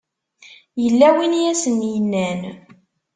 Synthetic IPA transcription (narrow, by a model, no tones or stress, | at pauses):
jəlːæwinjæsənjənːæn